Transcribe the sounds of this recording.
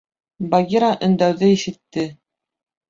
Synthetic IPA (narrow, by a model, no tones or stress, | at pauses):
baɡʲiɾaʔɵ̆nd̪æwðɘiʃɘ̆t̪ːɘ